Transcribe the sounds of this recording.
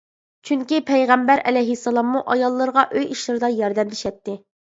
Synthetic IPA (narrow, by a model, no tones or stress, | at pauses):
t͡ʃʰyŋkʲipʰɛjʁæmbæɾɛ̰lɛjɦisːɑlˠɑmːuʔɑjɑlˠːəɾʁɑʔøjiʃlˠɨɾɨd̪ɑjɑɾd̪ɛmlɪʃɛt̪ːɪ